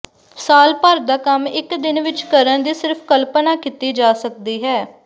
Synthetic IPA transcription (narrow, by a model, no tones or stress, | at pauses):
saːlpəɾd̪aːkəmɪkd̪ɪnʋɪt͡ʃkəɾənd̪iːsɪɾpʰkəlpnaːkit̪iːd͡ʒaːsək̚d̪iːɦɛː